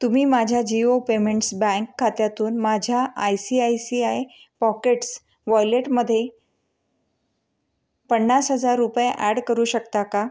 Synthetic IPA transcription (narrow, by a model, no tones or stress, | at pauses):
t̪um̤iːmad͡ʑʱjad͡ʑiopemẽɳʈsbɛ̃ŋkʰːat̪jat̪uːnmad͡ʑʱjaʔajsiajsiaj | pɔkeʈs | ʋɔjleʈməd̪ʱːje | pəɳːasɦəd͡zaɾːupjeʔæɽkəɾuːɕəkt̪aka